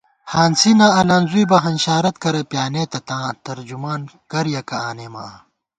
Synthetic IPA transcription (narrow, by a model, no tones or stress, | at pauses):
hãːnsinaːɐlɐ̃ːnzuibɐɦɐnɕaːɾɐt̪kɐɾɐpjaːneːt̪ɐt̪ãːt̪ɐɾd͡ʑumaːnkɐɾjɐkɐaːneːma̰